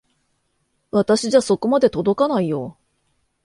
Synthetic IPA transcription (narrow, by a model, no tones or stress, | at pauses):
βat̪aɕiʑaso̞ko̞mad̪e̞t̪o̞d̪o̞kanaijo̞